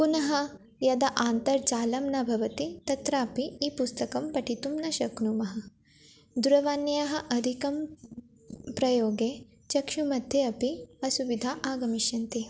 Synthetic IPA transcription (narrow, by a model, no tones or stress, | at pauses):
punɐɦɐ | jɐd̪ɐʔaːnt̪ɐɾt͡ʃaːlɐmnɐbʱɐʋɐt̪it̪ɐt̪ɾaːpiːpust̪ɐkɐmpɐʈit̪umnɐʃɐknumɐɦɐ̆ | d̪uɾɐʋaːnjaɦɐ̆ʔɐd̪ʱikɐm | pɾɐjoːɡeː | t͡ʃɐkʃumɐd̪ʱjeɐpiɐsuʋid̪ʱaːʔaːɡɐmiʃjɐnt̪i